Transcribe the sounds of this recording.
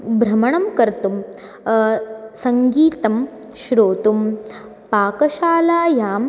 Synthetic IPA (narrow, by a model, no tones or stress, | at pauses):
bɾɐmɐɳɐmkɐɾt̪um | sɐŋɡiːt̪ɐm | ʃɾoːt̪um | paːkɐʃaːlaːjaːm